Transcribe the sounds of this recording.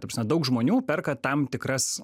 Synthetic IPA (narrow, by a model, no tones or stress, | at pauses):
tɐpʲsmʲɛd̪ɐʊkʒmoːnʲuːpʲɛrkɐt̪ɐmt̪ʲɪkɾɐs